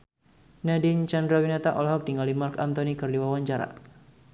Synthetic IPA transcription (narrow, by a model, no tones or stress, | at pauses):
nadint͡ʃandɾawinat̪aʔɔlɦɔk̚diŋalimarkant̪ɔnikɨrdiwawaɲt͡ʃaɾa̰